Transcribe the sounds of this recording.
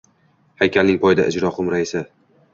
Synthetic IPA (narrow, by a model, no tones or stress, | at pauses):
hajkʲʰalnɪŋpʰɒjɪd̪a̰ʔɪd͡ʒɾɒqʰʊmɾaɪsɪ